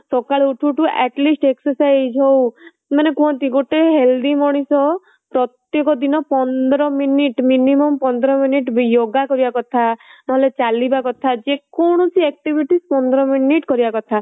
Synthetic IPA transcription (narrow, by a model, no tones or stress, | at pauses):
sɔkaɭuʈʰuʈuʔɛʈlisʈeksɔsajd͡ʒɦow | manekũɦɔ̃nt̪iɡoʈeɦeld̪imɔɽ̃isɔ | pɾɔt̪jekɔd̪inɔpɔnd̪ɔɾɔminiʈminimɔmpɔnd̪ɔɾɔminiʈbijoɡakɔɾibakɔt̪ʰanɔɦelet͡ʃalibakɔt̪ʰad͡ʒekɔɽ̃ɔt͡ʃʰiɛk̚ʈibʱiʈispɔnd̪ɔɾɔminiʈkɔɾibakɔt̪ʰa